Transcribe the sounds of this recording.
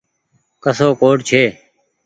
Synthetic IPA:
kəsoːkoːʈt͡ʃʰeː

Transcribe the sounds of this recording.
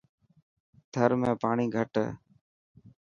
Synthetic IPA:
t̪ʰəɾmẽːpaːɳiːɡʱəʈ

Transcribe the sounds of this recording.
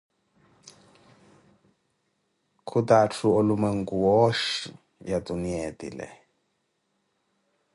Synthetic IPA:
kʰutatʰuolumɛŋɡuwɔʃi | jatuniɛtḭlɛ̰

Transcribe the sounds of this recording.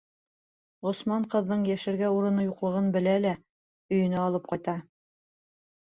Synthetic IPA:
ʁŏsmɑɴqɤ̆ðːɤɴjæʃɘ̆ɾɡæuɾɤ̆nɤjuqlˠɤ̆ʁɤnbɘ̆lælæ | ɵ̆jɘ̆næɑlˠɤp̚qɑjt̪ɑ

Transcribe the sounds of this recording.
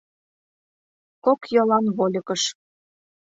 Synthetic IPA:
kokjɤ̆lɑnβolʲɤ̆kɤ̆ʃ

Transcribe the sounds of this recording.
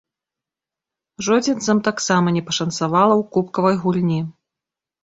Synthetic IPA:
ʐɔd͡zʲint̪sɐmt̪aksamɐnʲɛpɐʂɐnt̪savalˠɐwkupkɐvɐjɣulʲnʲi

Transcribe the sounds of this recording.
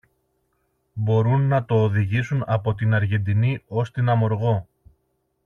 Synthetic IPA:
bo̞ɾunːɐt̪o̞ːðiʝisunɐpo̞t̪inɐɾʝe̞nd̪inio̞st̪inɐmo̞ɾɣo̞

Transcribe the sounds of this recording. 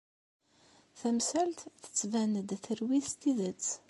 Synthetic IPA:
θæmsælt̪θə̥t͡sːvænəd̪θəɾwiθst̪iðət͡sː

